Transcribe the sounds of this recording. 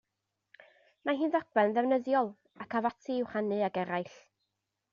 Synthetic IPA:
maɦɨːnðɔk̚ɛnðɛvnəðjɔlˠ | akʰavatʰɨɪwχanɨaɡɛɾajɬ

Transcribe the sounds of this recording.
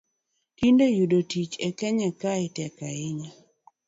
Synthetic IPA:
tindojudotit͡ʃɛkɛɲɛkaɪtɛkaɪɲa

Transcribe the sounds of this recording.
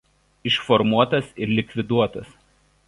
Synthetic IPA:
ɪʃfɔɾmuɔt̪ɐsɪɾlʲɪkʲʋʲɪd̪uɔt̪ɐs

